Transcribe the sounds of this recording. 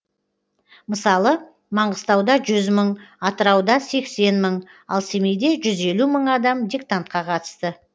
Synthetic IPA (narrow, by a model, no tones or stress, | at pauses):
məsɑlˠə | mɑɴʁəst̪ɑwd̪ɑʒʏzməɴɑt̪əɾɑwd̪ɑse̞kse̞nməɴ | ɑ̰lˠsemejd̪e̞ʒʏze̞luməɴɑd̪ɑmd̪ʲikt̪ant̪̚qɑqʰɑt̪ə̥st̪ə